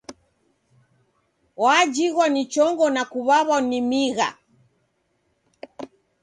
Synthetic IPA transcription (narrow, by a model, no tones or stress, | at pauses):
waːd͡ʒiɣwanit͡ʃɔŋɡɔnakuβaβanimiɣa̰